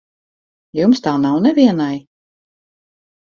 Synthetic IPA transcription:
jumst̪aːnawnɛvʲiɛnaj

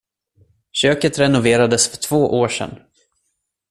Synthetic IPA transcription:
ɕøːkət̪ɾɛnʊveːɾad̪əsfœʈʰv̥oːʔoːʂɛ̰n

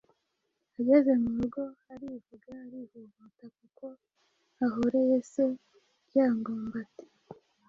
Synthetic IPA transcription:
aɟe̞ze̞nuɾuɡo̞aɾivuɡaːɾihuvutakuko̞ | aɦoɾejese | jaːŋɡoːmbate̥

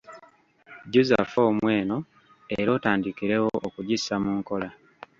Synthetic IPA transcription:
ɟuza̰fo̞ːmwe̞ːno̞ | eɾo̞ːtaːndikiɾe̞woʔːkuɟisamuːŋko̞la

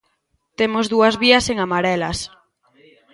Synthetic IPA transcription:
t̪emozðuazβiaseŋamaɾɛlas

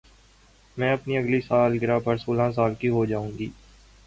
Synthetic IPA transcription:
mɛ̃ːɐpniɐɡlisaːlɡɪɾapɐɾsoːlãs̬aːlkiɦod͡ʒaːũːŋɡiː

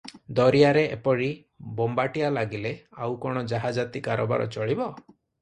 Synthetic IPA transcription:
d̪ɔɾijaɾeʔḛpɔɽi | bɔmbaʈialaɡileawkɔɽ̃ɔd͡ʒaɦad͡ʒat̪ikaɾɔba̰ɾɔ̰t͡ʃɔɭibɔ

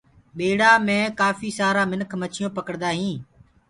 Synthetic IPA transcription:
ɓeːɽaːmẽːkaːfiːsaːɾaːmɪnkʰmət͡ʃʰɪjõːpəkəɽd̪aːɦĩː

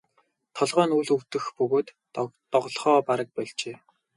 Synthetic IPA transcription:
t̪ʰɔɮʁœːnuɮɵwt̪ɘ̆xpɵɣoːt̪ | t̪ɔʁɮχɔːpaɾə̆k̚pæɮt͡ɕeː

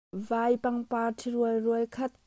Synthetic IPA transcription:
vajpɐŋpaːtʰiɾuəlruəjkʰɐt̪̚

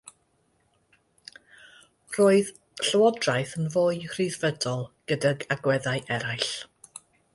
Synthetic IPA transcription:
r̥oːɨð | ɬəwɔdrajθənvoːɨhr̥iðvədɔlˠɡ̥ədaɡaɡwɛðajʔɛɾajɬ

